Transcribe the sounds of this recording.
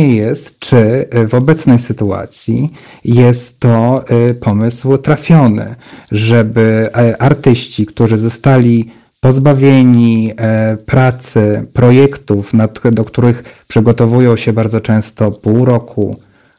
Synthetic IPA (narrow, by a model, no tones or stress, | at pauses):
ɛjɛst̪t͡ʂɘvɔbɛt̪snɛjsɘt̪ua̰t̪sʲji | jɛst̪ːɔpʰɔmɘswt̪ɾafʲjɔnɘ̰ʐɛbɘʔaɾt̪ɘɕt͡ɕikt̪uʐɘzɔst̪alʲi | pɔzbavʲjeɲi | pɾat̪sɘpɾɔjɛkt̪ufnad̪ɔkt̪uɾɘxpʂɘɡɔt̪ɔvujɔ̃w̃ɕɛbaɾd̪ɔt͡ʂɛ̃w̃st̪ɔpuwɾɔkʰṵ